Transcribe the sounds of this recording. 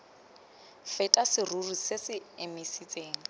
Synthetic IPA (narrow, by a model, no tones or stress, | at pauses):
fɛtʼasɪrurisɪsɪemisit͡sʼeːŋ̩